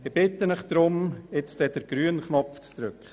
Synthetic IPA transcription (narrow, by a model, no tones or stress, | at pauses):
ɪb̥ɪt̪ːənəχd̥̪ɾʊmɪt͡stɛdəɾɡ̥ɾyːənχnɔpft͡stɾøkχ